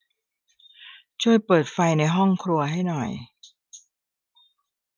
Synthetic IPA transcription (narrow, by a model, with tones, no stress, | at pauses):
t͡ɕʰu˥˩əjpɤː˨˩t̪̚fa˧jna˧jɦɔ˥˩ŋkʰɾu˧ɐɦa˥˩jnɔ˨˩j